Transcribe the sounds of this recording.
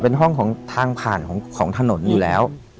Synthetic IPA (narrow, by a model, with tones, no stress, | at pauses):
pe˧nɦɔ˥˩ŋkʰɔː˩˦ŋt̪ʰaː˧ŋpʰaː˨˩nkʰɔː˩˦ŋkʰɔː˩˦ŋt̪ʰa˧no˩˦njuː˨˩lɛ̰ː˦˥w